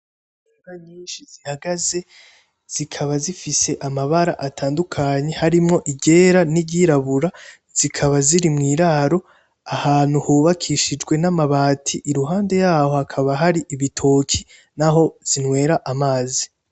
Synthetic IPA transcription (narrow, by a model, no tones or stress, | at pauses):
aɡaɲiːnʃizihaɡaze̞ | z̥ikʰaβazifise̞ʔamaβaɾaʔatʰaːndukʰaɲe̞haɾimŋo̞ʔiɟe̞ːɾanibɟiɾaβuɾa | z̥ikʰaβaziɾimŋiːɾaɾo̞ | ahaːn̥huhuβakʰiʃid͡ʒɡwe̞namaβaːtʰiʔiɾuɦaːnde̞jaːho̞hakʰaβaɦaɾiʔiβitʰoːkʰi | naɦo̞z̥inwe̞ːɾaʔamaːzi